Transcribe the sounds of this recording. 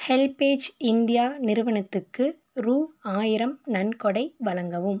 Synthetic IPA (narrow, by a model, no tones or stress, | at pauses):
hɛlpeːd͡ʒɪnd̪ɪjaːnɪɾɯʋɐɳɐt̪ːɯkːɯ | ɾuːaːjɪɾɐmnɐnkɔɽɐɪʋɐlɐŋɡɐʋɯm